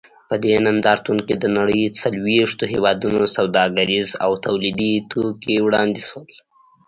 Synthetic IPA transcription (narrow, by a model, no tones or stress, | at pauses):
pəd̪enand̪ɑɾt̪uŋkid̪ənaɽəjt͡salweʂt̪oɦewɑd̪unosawd̪ɑɡaɾiza̰wt̪awlid̪it̪ʰokiwɽɑnd̪iswəl